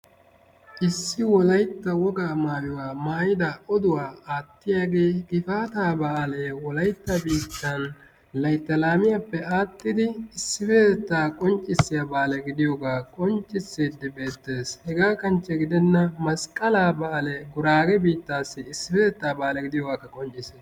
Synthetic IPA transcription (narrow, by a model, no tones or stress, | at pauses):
ʔɪsːɪwɔlɐjt̪ːɐwɔɡaːmaːwɪwaːmaːjɪd̪ɐɔd̪ʊwaːaːt̪ːɪjaːɡe̞ːɡɪfaːt̪aːbaʔɐleːwɔlɐjt̪ːɐbiːt̪ːɐn | lɐjt̪ːɐlaːmɪjɐpːɛaːt̪ːɪd̪ɪɪsːɪfeːt̪ɛt̪ːaːkʼɔnt͡ʃʼːɪsːɪjabaːlɛɡɪd̪ɪjoːɡaːkʼɔnt͡ʃʼːɪsːeːd̪ːɪbe̞ːt̪ːe̞ːshɛɡaːkɐnt͡ʃːɛɡɪd̪ɛnːɐmɐskʼɐlaːbaːlɛɡʊɾaːɡɛbiːt̪ːaːsːɪɪsːɪfeːt̪ɛt̪ːaːbaːlɛɡɪd̪ɪjoːɡaːkːɐkʼɔnt͡ʃʼːɪseː